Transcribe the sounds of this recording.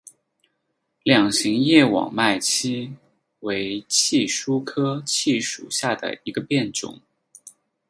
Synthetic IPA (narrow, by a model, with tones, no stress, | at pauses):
ljɑ˨˩ŋɕi˧˥ŋjɛ˥˩wɑ̰˨˩ŋma˥˩ɪt͡ɕʰi˥ | we˧˥ɪt͡ɕʰi˥˩ʂu˥kʰɤ˥t͡ɕʰi˥˩ʂṵ˨˩ɕja˥˩d̪ə̰˩i˧˥ɡə˧pjɛ˥˩nʈ͡ʂʊ̰˨˩˦ŋ